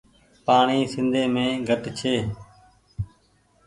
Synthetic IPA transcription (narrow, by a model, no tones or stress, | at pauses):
paːɳiːsɪ̃nd̪ʱeːmẽːɡʱəʈt͡ʃʰeː